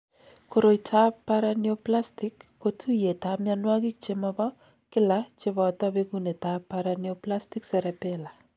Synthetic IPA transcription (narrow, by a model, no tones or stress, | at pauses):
koɾoitʰapːaɾanioplastɪkːotʰujetamjanwakik̚t͡ʃemabɔ | kɪlat͡ʃeβɔtɔβekunetapːaɾanioplastiksɛɾɛpɛla